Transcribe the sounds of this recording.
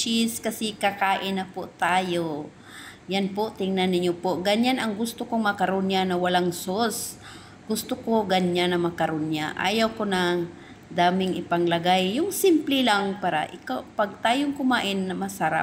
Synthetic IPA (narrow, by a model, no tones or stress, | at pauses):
t͡ʃiskɐsɪkɐkaːʔɪnɐpoʔt̪aːjo | janpoʔt̪ɪŋnanːɪɲopoɡɐɲanɐŋɡʊst̪okoŋmɐkɐɾonjanɐwɐlaŋsos | ɡ̥ʊst̪okoɡɐɲanːɐmɐkɐɾonjaʔa̰ːjawkonɐŋ | d̪aːmɪŋʔɪpɐŋlɐɡajːʊŋsɪmplɪlaŋpaːɾɐ̰ʔɪkawpɐɡ̚t̪aːjoŋkʊmaːʔɪnːɐmɐsɐɾa̰p̚